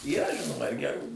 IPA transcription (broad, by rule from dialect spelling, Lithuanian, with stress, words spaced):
iːˈrɐ ˈʒʲɪnoːmɐ ɪr ɡʲɛˈruː